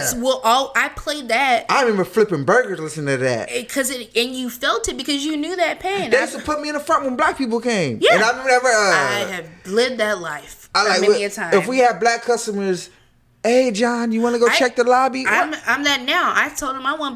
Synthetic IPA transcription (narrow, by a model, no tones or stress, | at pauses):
wɛlˠʔoʔaɪpʰl̥eɪd̪̚ðɨt̚aɪɹɨmɛ̃mbə˞flɪpɨ̃nbɜ˞ɡə˞zlɪsnɪ̃ŋtʰɨðæ̰t̚kʰʌzɨnɨ̃njɨfɛlˠtɨt̚b̥ɨkʰʌzjɨnjʉðɨt̚pʰẽɪ̃nðed͡ʒʌstəpʰʊt̚miɨ̃nðəfɹʌ̃nʔ̚wə̃nblæk̚pʰip̬l̩ˠkʰẽɪ̃mjæɨ̃naɪɹɨmɛ̃mbə˞ɛvə˞ʌaɪɨvlɪd̪̚ðɨtˡlaɪf | aɪlaɪkɨtʰãɪɨfwiɨd̚blækʰːʌstəmə˞z | eɪd͡ʒɑ̃njɨwɑnɨɡoʊt͡ʃʰɛk̚ðɨlɑbiãɪ̃mãɪ̃mðɨtⁿnaʊʔa̰ɪ̥tʰoʊlˠdə̃maɪwʌ̃n